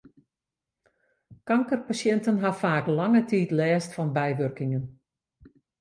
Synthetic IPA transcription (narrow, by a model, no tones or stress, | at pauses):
kɑŋkərpasjɛntənɦafaːklɑŋətiːtlɛːstfɑnbɛjʋørkɪŋən